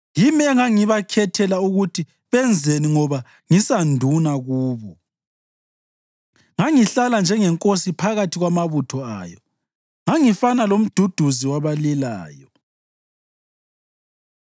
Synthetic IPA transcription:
jimɛŋaŋiβakʰɛtʰɛlauɣutʰi | βɛnd͡zʱeniŋɔβa | ŋisandʱunaɣuːβɔ | ŋaŋiɬaland͡ʒʱɛŋɛŋkʼosipʰaɣatʰiɣwamaβutʰɔa̰ːjɔ | ŋaŋifanalom̩d̥ʱud̥ʱuziwaβalila̰ːjɔ

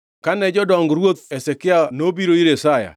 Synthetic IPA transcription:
kanɛd͡ʒɔdɔŋɡɾwot̪ɛsɛkɪanobiɾoiɾesaja̰

